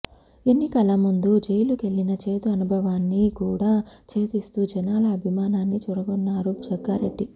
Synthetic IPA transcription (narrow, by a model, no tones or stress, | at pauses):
enːikɐlɐmund̪ud͡ʒejluke̞ɭːinɐt͡ʃe̞ːt̪uɐnubʱɐʋaːnːikuːɽaːt͡ʃe̞ːt̪ist̪uːd͡ʒɛnaːlɐːbʱimaːnaːnːit͡ʃuːɾɐɡonːaːɾud͡ʒɐɡːaːɾeɖːi